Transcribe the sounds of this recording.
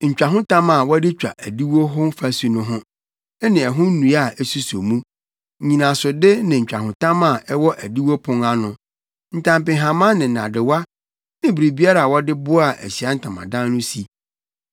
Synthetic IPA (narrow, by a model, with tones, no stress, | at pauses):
ɲ̩˨t͡ɕᶣa˨ɦʊ̃˦tʰã˦ma˨wɔ˦dɪ˦t͡ɕᶣa̰˨ʔæ˨di˦wo˦ɦʊ̃˦fæ˦su˨nʊ̃˦ɦʊ̃˦ | ɛ˦nɪ̃˨ɛ˨ɦʊ̃˦nũ˨˦a˨ɛ˦su˦so˨mũ˦˨ | ɲĩ˨nã˨sʊ˨dɪ˦nɪ̃˨ɲ̩˨t͡ɕᶣa˨ɦʊ̃˨tʰã˦ma˨ʔɛ˦wɔ˦ʔæ˨di˦wo˦pʰʊ̃˦ŋa˦nʊ̃˨ | n̩˨tʰã˨mpɪ̃˨ɦã˨mã˦nɪ̃˨nã̰˨dɪ˨wa˦ | nɪ̃˦bi˨ɾi˨bi˦a˦ɾa˨wɔ˦dɪ˦bʊ˦a˨ʔæ̰˨ɕi˨a˦n̩˦tʰã˨mã̰˨dã˦n˦nʊ̃˦si˨